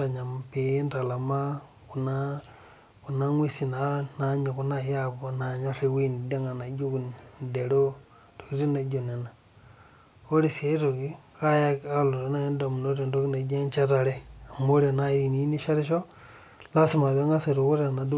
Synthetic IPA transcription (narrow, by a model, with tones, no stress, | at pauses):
a˨ɲa˨m˨pe˨˦nɾa˨la˨ma˦ | ku˨na˦ | ku˨na˦ŋwi˦si˨na˨˦na˨˦ɲa˨ku˦na˦ja˦bo˨na˨ɲa˦ɾe˦wi˦n˨de˦ŋa˨na˨˦d͡ʒo˦ku˨de˨ɾo˦ | to̥˨ki˦ɾi˦na˨˦d͡ʒo˨ne˨na˨ | o˦ɾi˦˨se˦to˨ki˦ka˦ja˦ka˦lo˨ɾo˨na˦i˦da˨mu˨no˦ɾi˦˨ndo˦ki˦na˨˦d͡ʒe˦nt͡ʃa˦ta˨ɾe˦a˨mo˦ɾe˨na˦i˨ni˨i˦ni˦ʃa˦ɾi˦ʃo˦ | la˦si˦ma˨e˦ŋɡa˦se˨ɾo˨ku˦ɾe˦˨na˨d